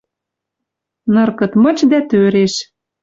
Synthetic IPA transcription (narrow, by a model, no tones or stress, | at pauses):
nɤ̆rkɤ̆t̪mɤ̆t͡ɕd̪æt̪øɾeʃ